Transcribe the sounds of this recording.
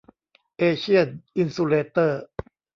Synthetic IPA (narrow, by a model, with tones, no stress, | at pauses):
ʔeː˧ɕʰi˥˩ənʔi˧nsu˧leː˧t̪ɤː˥˩